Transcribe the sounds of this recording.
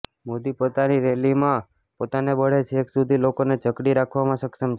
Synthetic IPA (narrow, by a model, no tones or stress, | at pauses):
mod̪ipot̪aniɾelimã | pot̪anebəɽ̤et͡ʃʰeeksud̪ʱilokoned͡ʒəkɽiɾakʰʋamãsəkʃəmt͡ʃʰ